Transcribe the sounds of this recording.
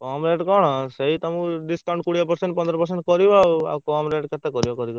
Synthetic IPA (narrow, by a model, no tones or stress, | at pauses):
kɔmɾeʈkɔɽ̃ɔseɦit̪ɔmũɖisʈaɳʈ̚kuɽijapɔɾseɳʈpɔnd̪ɾɔpɔɾs̬eɳʈkɔɾibaa̰kɔmɾeʈket̪ɛkɔɾibakɔɾikɔ